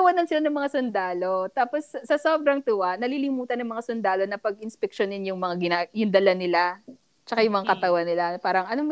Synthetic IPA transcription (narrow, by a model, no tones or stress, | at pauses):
ɐwɐnɐnsɪlanɐŋmɐŋasʊnd̪aːlo̞t̪aːposːɐso̞ːbɾɐŋt̪ʊwaʔnɐlilɪmuːt̪ɐnːɐŋmɐŋasʊnd̪aːlo̞nɐpɐɡ̚ʔɪnspɛk̚ʃonɪnjʊŋmɐŋaɡɪnajɪnd̪ɐlɐnɪla | t͡ʃɐkajʊŋmɐŋakɐt̪ɐwanːɪlapaːɾɐŋʔɐno